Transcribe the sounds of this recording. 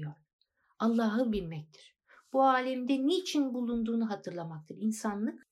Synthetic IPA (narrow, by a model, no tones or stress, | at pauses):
joɾ | alˠːaːɦɯbilʲmɛc̚t̪ʰi̥ɾ̥ | b̥uaːlʲɛmd̪ɛneːt͡ʃʰinbulˠund̪uːnuɦat̪ʰɯɾlˠamak̚t̪ʰɯɾinsanlˠɯk